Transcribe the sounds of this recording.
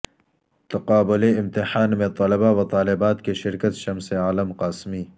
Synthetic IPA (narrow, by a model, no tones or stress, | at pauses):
t̪ɐqaːbʊleɪmt̪ɪħaːnmẽt̪ˤɐlɐbawɐt̪ˤɑːlɪbaːt̪keʃɪɾkət̪ʃɐmseaːləmqaːsmiː